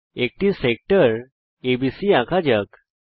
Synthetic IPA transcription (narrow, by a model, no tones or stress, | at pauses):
ek̚ʈisek̚ʈəɾ | ebisiãkʰad͡ʑək